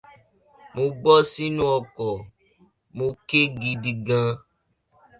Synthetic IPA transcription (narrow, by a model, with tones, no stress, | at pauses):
mõ˧ɡ͡bɔ˦si˦nũ˦ɔ˧kɔ˨ | mõ˧ke˦ɡi˧di˧ɡã˧